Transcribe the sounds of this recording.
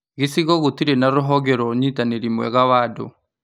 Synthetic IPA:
ɣisiɣɔɣut̪iɾɛnaɾuɦɔɣɛɾɔɲitaneɾimwɛ̰ɣaβadɔ̰

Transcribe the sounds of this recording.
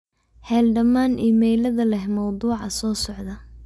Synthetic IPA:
hɛːlɖɐmaːnʔiːmɛjlɐðɐlɛhmɑwd̪uːʕɑsɔːsɔʕd̪ɐ

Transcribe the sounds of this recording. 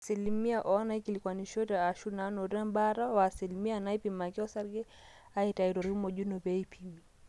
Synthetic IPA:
silimiaʔɔnaikilikwaniʃɔtɛaʃunanɔɾɛmbaɾawasilimianaipimakiɔsaɾɡɛ | aitaiɾɔɾiumɔʄunɔbɛipʰimi

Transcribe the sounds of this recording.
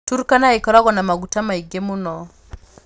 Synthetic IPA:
tuɾukanaikaɾwaɣɔnamaɡutamaiɡɛmunɔ

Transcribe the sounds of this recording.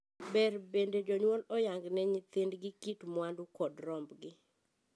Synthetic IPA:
bɛɾbended͡ʒɔɲwɔlɔjaŋɡnɛɲit̪ɪndɡɪkitmwandukɔdɾɔmbɡɪ

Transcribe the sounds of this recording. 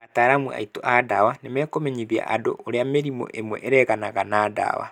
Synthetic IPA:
ataːɾamua̰itoʔadawanemɛːkomɛɲiðia̰ʔado̰oɾeameɾimo̰ʔemwɛ̰ʔeɾɛɣanaɣanaːda̰wa̰

